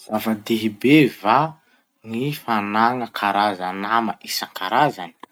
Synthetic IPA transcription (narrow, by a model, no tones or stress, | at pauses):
z̥avad̪eɦibeva | ŋifanaŋəkʰaɾazanamaʔisaŋkʰaɾazani̥